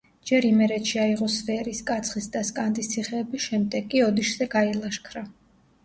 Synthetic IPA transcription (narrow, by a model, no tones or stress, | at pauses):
d͡ʒɛɾimɛɾɛt̪ʃiaiʁɔsvɛɾiskʼat̪sʰχisd̪askʼand̪ʼist̪sʰiχɛːbiʃɛmd̪ɛɡʼiɔd̪iʃz̥ɛɡailˠaʃkʰɾa